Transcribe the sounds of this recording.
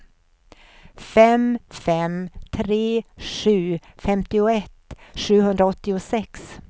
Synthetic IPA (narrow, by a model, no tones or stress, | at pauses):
fɛmfɛmt̪ʰɾeːʂʉ̟ːfɛmt̪ɪʊɛt̪ːʂʉ̟ːɦɵnd̪ɾaɔt̪ːɪʊsɛks